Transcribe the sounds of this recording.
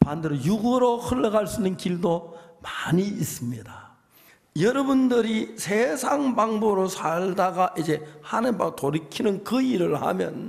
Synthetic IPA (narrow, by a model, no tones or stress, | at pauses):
pandeɾojuɡɯɾohɯɭːʌɣaɭs͈unɯnkiɭdomaɲiis͈ɯmɲida | jʌɾʌbundɯɾisʰesʰaŋbaŋboɾosʰaɭdaɡaʔid͡ʑe̞hanɯbatoɾikʰinɯnkɯiɾɯɭha̰mjʌ̰n